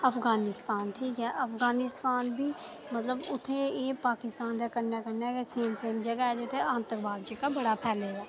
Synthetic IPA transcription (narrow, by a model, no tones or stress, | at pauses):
ɐfɡaːnɪst̪aːnʈʰiːkɦɛʔɐfɡaːnɪst̪aːnbʱiː | mət̪ləbʊt̪ʰeeːpaːkɪst̪aːnd̪akəɾnakənakeseːmseːmd͡ʒɐɡaɦɛd͡ʒet̪ʰeãːnt̪əɾbaːd̪d͡ʒəɡabɐɽapʰɛːleɛː